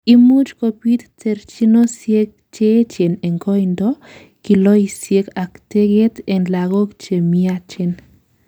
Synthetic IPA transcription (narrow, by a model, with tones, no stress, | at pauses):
i˦mu˦t͡ʃko˨pi˦t̪t̪e˨ɾt͡ʃi˦no˦sje˦k̚t͡ʃe˦t͡ʃe˨ne˨ŋɡɔ˦indɔ˦ | ki˨lɔ˦isje˦ka˨kte˦ɡe˦t̪ɛ˨nla˨ɡo˦kt͡ʃe˨mia˦t͡ʃe˦n